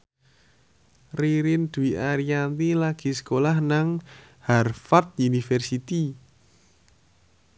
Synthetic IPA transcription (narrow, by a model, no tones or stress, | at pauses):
riɾɪnd̪̥uiaɾiant̪ilaɡ̥i̤sə̥kolahnaŋ | harfat̪̚unifɛrsit̪i